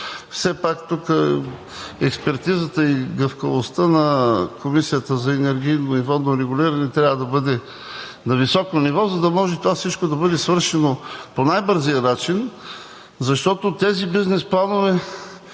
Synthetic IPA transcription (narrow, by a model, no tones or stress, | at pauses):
fsɛpakt̪ukə | ɛkspɛɾt̪izət̪əiɡəfkəvost̪ənɐkomisijət̪əzɐɛnɛɾɡ̟ʲijnonivɔoɾɛɡʊlʲiɾɐnɛt̪ɾʲavəd̪ɐbɤd̪ɛ | nɐvisɔkonivɔzɐd̪ɐmɔʒɛt̪ovafsit͡ʃkod̪ɐbɤd̪ɛsvɤɾʃɛnoponajbɤɾzijənat͡ʃin | zɐʃt̪ɔt̪ot̪ɛzibiznɛsplˠanovɛ